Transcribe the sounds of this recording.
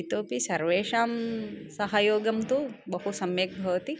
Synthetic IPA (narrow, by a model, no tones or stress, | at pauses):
it̪oːpisɐɾʋeːʃaːmsɐɦɐjoːɡɐmt̪ubɐɦusɐmjɐk̚bʱɐʋɐt̪i